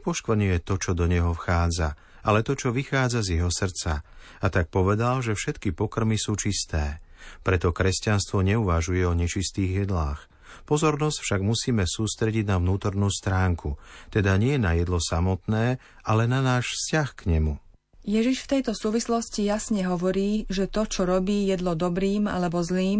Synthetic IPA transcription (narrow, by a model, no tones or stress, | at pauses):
pɔʃkʋɾ̩ɲʊjɛt̪ɔt͡ʃɔd̪ɔɲɛɦɔfxaːd͡za̰ | alɛt̪ɔt͡ʃɔʋixaːd͡zazjɛɦɔsr̩t͡sa | at̪ak̚pɔʋɛd̪alʒɛfʃɛt̪kipɔkr̩misuːt͡ʃist̪ɛː | pɾɛt̪ɔkɾɛscanst̪ʋɔɲɛuʋaʒujɛɔɲɛt͡ʃist̪iːɣjɛd̪laːx | pɔzɔɾnɔscfʃaɡmusiːmɛsuːst̪ɾɛɟiɟnaʋnuːt̪ɔɾnuːst̪ɾaːŋkʰut̪ɛd̪aɲɪɛnajɛd̪lɔsamɔt̪nɛː | alɛnanaːʃfscaxkɲɛmu | jɛʒiʃft̪ɛjt̪ɔsuːʋislɔscijasɲɛɦɔʋɔɾiːʒɛt̪ɔt͡ʃɔɾɔbiːjɛd̪lɔd̪ɔbɾiːma̰lɛbɔzliːm